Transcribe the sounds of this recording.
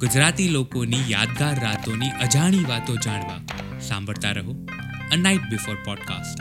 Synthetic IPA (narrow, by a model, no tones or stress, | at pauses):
ɡ̥ʊd͡ʒɾat̪ilokonija̰d̪ɡaɾːat̪oniʔəd͡ʒaɽ̃iʋat̪od͡ʒaɽ̃ʋa̰ | sã̰mbʱəɭt̪aɾəɦo | ənajʈ̚bɪfoːɾpɔɖka̰sʈ